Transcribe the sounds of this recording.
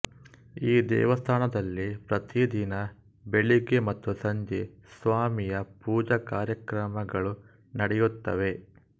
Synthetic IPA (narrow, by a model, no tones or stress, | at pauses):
iːd̪ɛ̰ːʋɐst̪ʰaːnɐd̪ɐlːipɾɐt̪id̪inɐ | beɭike̞mɐt̪ːusɐɲd͡ʒesʋaːmijɐpuːd͡ʒɐkaːɾjɐkɾɐmɐɡɐɭu | nɐɽɛjut̪ːɐʋe̞